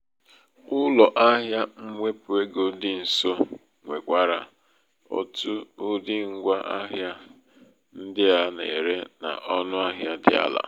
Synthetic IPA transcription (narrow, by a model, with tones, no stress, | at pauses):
ʊ˦lɔ˨ʔa˦ɦja˦ŋ̩˦ŋʷe˦pʊ˨e˦ɡo˦dɪ˦n̩˨so˦ | ŋʷe˨kʷa˦ɾa˨ | o̰˦tu˦ʊ˦dɪ˦ŋ̩˦ɡʷa˦ʔa˦ɦja˦ | n̩˦dɪ˦a˨nḛ˨e˨ɾe˦na̰˨ʔɔ˦nʊ˦a˦ɦja˦dɪ̰˦a̰˦la̰˨